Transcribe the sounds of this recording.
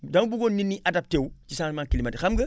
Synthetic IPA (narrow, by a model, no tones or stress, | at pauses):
dɐmbuɡonninːiʔadap̚tewcisaːŋmaːŋkilimɐdixamɡɐ